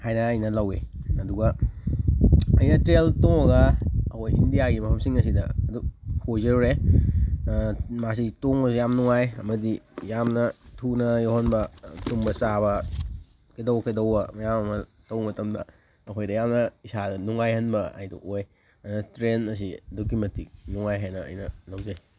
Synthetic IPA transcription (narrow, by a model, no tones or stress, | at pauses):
hajnɐːjnɐlɐwḛɐduɡɐ | ɐjnɐtɾeltoŋɐɡɐɐkʰojḭndijaɡimɐpʰɐmsiŋɐs̬idɐ̰ɐduhozeɾɾe | mas̬itoŋɐsijamnuŋajɐmɐdijamnɐtʰunɐjowhɦɐnbɐtuŋbɐsaβɐ | kʰedɐwkʰedɐwɐmɐjamɐmɐ | tɐwŋɐtɐmdɐ | ɐkʰojdɐjamnɐisadɐnuŋajhɐnbɐa̰jdṵʔoj | ɐjnɐtɾenɐs̬iɐdukːimɐtik̚nuŋajɦajnɐɐ̰jnɐlɐwzɐj